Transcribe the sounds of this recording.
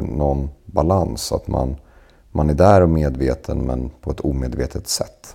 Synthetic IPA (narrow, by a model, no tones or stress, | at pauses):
nɔnbalansa̰t̪ma̰n | mʔanæɖæːɾɔmeːd̪veːt̪ʰənmɛ̰npʰɔɛt̪ʰuːmeːd̪veːt̪ʰət̪sɛt̪ː